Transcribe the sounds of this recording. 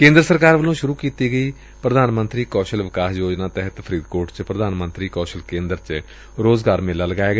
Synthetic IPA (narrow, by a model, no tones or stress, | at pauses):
kẽːnd̪ɾəsəɾkaːɾʋəlõːʃʊɾuːkiːt̪iːɡəiː | pɾəd̪aːnmənt̪ɾiːkɔːʃəlʋɪkaːsjoːd͡ʒnaːt̪ɛɦət̪pʰəɾiːd̪koːʈt͡ʃpɾəd̪aːnmənt̪ɾiːkɔːʃəlkẽːnd̪ɾt͡ʃ | ɾoːzɡaːɾmɪlːaːləɡaːeːɡ